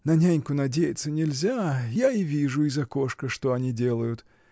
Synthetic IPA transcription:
nɐnʲanʲkʊnɐdʲejɪt̪sːənʲɪlʲzʲajaivʲiʐʊizɐko̞ʂkəʂt̪o̞ɐnʲidʲe̞lˠəjʊt̪

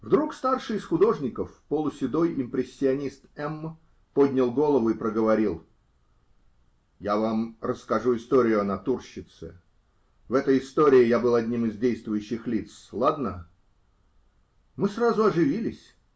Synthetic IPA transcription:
vd̪ɾukst̪arʂɨɪsxʊd̪o̞ʐnʲɪkəfpolˠʊsʲɪd̪o̞jɪmpɾʲɪsʲːɪɐnʲist̪ɛm | pod̪ʲnʲɪlˠɡo̞lˠəvʊɪpɾəɡəvɐɾʲilˠ | javamrəskɐʐuɪst̪oɾʲɪjʊɐnɐt̪urɕːɪt̪sɨ̰ | vɛt̪əjɪst̪o̞ɾʲɪɪjabɨlˠɐdʲnʲimɨzdʲejst̪vʊjʉɕːɪxlʲit̪slˠad̪nə | mɨsrazʊɐʐɨvʲilʲɪsʲ

